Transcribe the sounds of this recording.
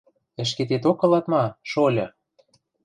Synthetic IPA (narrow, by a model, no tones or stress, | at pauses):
ɘ̆ʃ̬ket̪et̪okɤ̆lɑt̪mɑʃolʲɤ̆